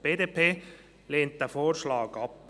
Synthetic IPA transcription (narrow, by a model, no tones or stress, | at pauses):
b̥eːdepʰeː | leːnt̚d̪̥ɛːfoːɾʃlɑːɡɑp